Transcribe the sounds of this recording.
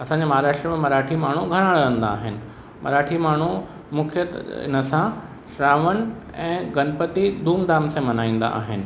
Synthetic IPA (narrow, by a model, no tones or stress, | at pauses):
ɐsãɲd͡ʑemɐɦaːɾaːʃʈɾəmẽmɐɾaːʈʰimaːɳ̤uɡʱɐɾə̃ɽɐə̃n̆d̪aːɦɪnɪ̆ | mɐ̰ɾaːʈʰimaːɳ̤u | mʊkʰjət̪ɪ̰nə̆sã | ʃɾaːʋən̆ | ɛ̃ːɡɐnpət̪id̪ʱuːmd̪aːmsẽmɐnaːĩːn̆d̪a̰ʔa̰ːɦɪnɪ̆